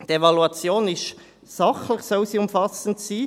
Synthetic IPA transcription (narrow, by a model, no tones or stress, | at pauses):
tevɑluɑt͡sjoːnɪʃ | sɑχlɪχsoʊsiːʊmfɑsn̩siː